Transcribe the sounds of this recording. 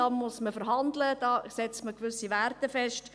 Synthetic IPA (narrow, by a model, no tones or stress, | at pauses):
ɑmːʊsməfəɾɦɑnd̪ləd̥ɑːsɛt͡stməkʋʏsiʋærtəfɛʃt